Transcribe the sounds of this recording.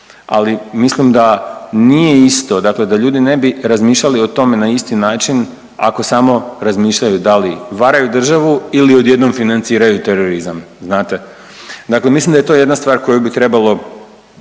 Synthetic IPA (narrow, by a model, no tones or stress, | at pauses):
a̰limislimd̪anije̞ist̪o̞d̪akle̞d̪aʎuːd̪inebiɾazmiːʃʎalio̞t̪o̞me̞naist̪inaːt͡ʃin | a̰ko̞samo̞ɾazmiːʃʎajud̪aliʋaɾajud̪r̩ʒaʋuilio̞d̪je̞d̪no̞mfinant̪siːɾajut̪eɾoɾizamznaːt̪e | d̪akle̞mislimd̪aje̞t̪oje̞d̪nast̪ʋaːɾko̞jubit̪ɾe̞balˠo̞